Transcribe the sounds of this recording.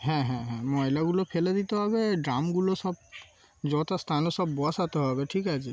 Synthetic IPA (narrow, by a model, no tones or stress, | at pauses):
ɦɛ̃ɦɛ̃ɦɛ̃mɔjlaɡulopʰeled̪it̪eɦɔβeɖɾamɡulosɔb̚ | d͡ʒɔt̪ast̪ʰanosɔbːɔasat̪oɦɔbeʈʰikat͡ʃʰe